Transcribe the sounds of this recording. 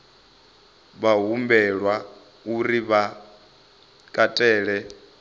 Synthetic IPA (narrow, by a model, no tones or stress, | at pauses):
βaɦumbɛɺwa | uɾiβa | kʼatʼɛːɺɛ